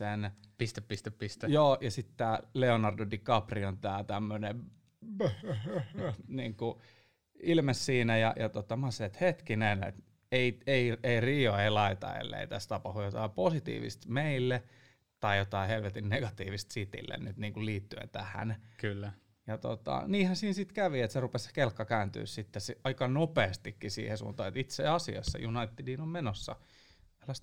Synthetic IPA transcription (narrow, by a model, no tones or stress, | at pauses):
senpist̪æppist̪eppist̪ejoːjɑsit̪t̪æːleonɑrdodikɑpriont̪æːt̪æmːøne | niːŋku | ilmessiːnæjɑjɑt̪ot̪ɑmɑset̪het̪kinenḛt̪ | eieieiriːoeilɑit̪ɑ̰ḛlːḛit̪æst̪ɑpɑhujot̪ɑiposit̪ḭːʋḭst̪meilːe | t̪ɑijot̪ɑihelʋet̪inneɡɑt̪iːʋist̪sit̪ḭlːḛnnyt̪niːŋkulliːt̪ːyḛnt̪æhæ̰nkylːæ | jɑt̪o̰t̪ɑ̰niːhænsiːnsit̪kæʋiet̪serupesse̥kelkːɑkæːnt̪y̰ːssit̪ːesɑikɑnopeːst̪ikːisḭːhesṵːnt̪ɑːet̪it̪seɑsiɑ̰sːɑ̰junɑit̪ːidinommenosːɑ̰ | elːæst̪